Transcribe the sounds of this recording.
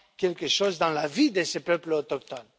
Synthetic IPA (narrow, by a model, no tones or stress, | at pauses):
kʲɛlkəʃozd̪ɑ̃lavid̪əsəpœplot̪ɔk̚t̪ɔn